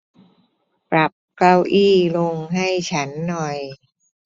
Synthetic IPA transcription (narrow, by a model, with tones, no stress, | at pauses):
pɾa˨˩p̚kla˧wʔiː˥˩lo˧ŋɦa˥˩jt͡ɕʰa˦˥nːɔ˨˩j